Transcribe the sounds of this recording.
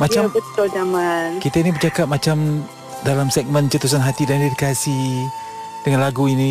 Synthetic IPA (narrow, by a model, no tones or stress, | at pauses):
mat͡ʃabət̪ʊld͡ʒamankit̪ainibərt͡ʃakap̚mat͡ʃam | dalamsɛk̚mənt͡ʃət̪us̬anɦat̪idandedikasi | d̥əŋanlaɡuinĩ